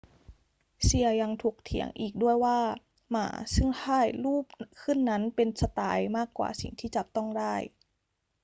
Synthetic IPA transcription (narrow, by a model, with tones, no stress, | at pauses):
si˧ɐja˧ŋt̪ʰu˨˩k̚t̪ʰḭ˨˩˦əŋʔiː˨˩k̚du˥˩əjwaː˥˩ | ma̰ː˩˦sɯ˥˩ŋhʰaː˥˩jluː˥˩p̚kʰɯ˥˩nːa˦˥npe˧nsa˧t̪a̰ː˧jmaː˥˩kːwa̰ː˨˩sḭ˨˩ŋt̪ʰiː˥˩t͡ɕa˨˩p̚t̪ɔ˥˩ŋdaː˥˩j